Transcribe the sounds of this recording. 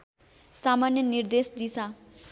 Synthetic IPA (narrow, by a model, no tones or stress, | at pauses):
samanjʌnird̪esd̪it͡sʰʌ